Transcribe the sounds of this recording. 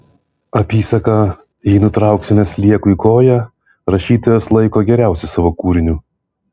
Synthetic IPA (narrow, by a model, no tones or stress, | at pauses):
ɐpʲiːsɐkɐ | jinʊt̪ɾɑˑʊksʲɪnʲɛslʲiɛkʊikoːjɛ | ɾɐʃʲiːt̪oːjoːslˠɐɪkoːɡʲɛɾʲæˑʊsʲɛɪsɑːʋoːkuːɾʲɪnʲu